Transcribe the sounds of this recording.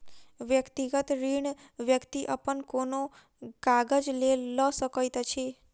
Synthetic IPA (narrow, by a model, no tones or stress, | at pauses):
ʋjəkt̪iɡət̪ɾiɳ | ʋjəkt̪iʔəpənkono | ɡaɡəd͡ʒlelːəsəkəjt̪ət͡ʃʰe